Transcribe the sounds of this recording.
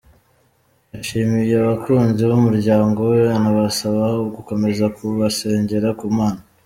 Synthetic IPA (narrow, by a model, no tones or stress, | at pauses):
jaʃiːmijeaβakuːnziβumuɾɟaːŋɡo̞wenaβasaβaɡuko̞me̞zakuβase̞ːɲɟe̞ɾakumaːna